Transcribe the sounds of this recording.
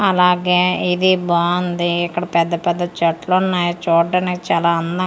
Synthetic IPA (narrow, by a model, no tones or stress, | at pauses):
ɐlaːɡeːid̪ibaːund̪iːkːɐɽɐpɛd̪ːɐpɛd̪ːɐt͡ʃɐʈlonːaːjɐt͡ʃoːɖːɐnikt͡ʃaːlaːɐnd̪ɐ